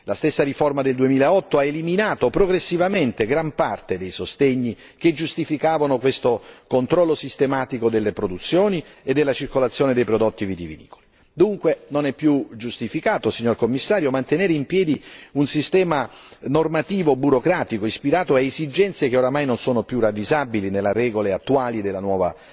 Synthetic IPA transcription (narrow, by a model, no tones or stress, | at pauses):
last̪esːaɾiformad̪eld̪uemiːlaɔt̪ːoaeliminaːt̪opɾoɡɾesːivament̪eɡɾampart̪ed̪ejsost̪eɲːi | ked͡ʒust̪ifikaːvanokwest̪okont̪ɾɔlːosist̪emaːt̪ikod̪elːepɾod̪ut̪sːjoːnied̪ːelːat͡ʃirkolat̪sːjoːned̪ejpɾod̪ot̪ːiviːd̪ivḭnḭːko̥li | d̪uŋkwenonɛpːjud͡ʒust̪ifikaːt̪osiɲːorkomːisːaːɾjomant̪eneːɾeimpjɛːd̪iunsist̪ɛːmanormat̪iːvobuɾokɾaːt̪ikoispiɾaːt̪oaezid͡ʒɛnt̪sjekeoɾamajnonsoːnopjuravːizabilinelːeɾɛːɡoleat̪ːuaːlid̪elːanwɔːva̰